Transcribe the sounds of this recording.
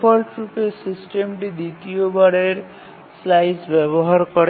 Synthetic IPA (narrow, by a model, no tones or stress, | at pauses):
pʰɔlʈɾupesisʈemɖid̪it̪ijobaɽeɾ | slajsbʌbɔɦaɾkɔɾ